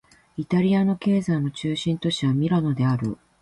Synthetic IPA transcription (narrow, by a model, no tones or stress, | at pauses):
it̪aɾʲiano̞ke̞ːzano̞t͡ɕɨːɕĩnt̪o̞ɕiβamʲiɾano̞d̪e̞aɾɯ̟̰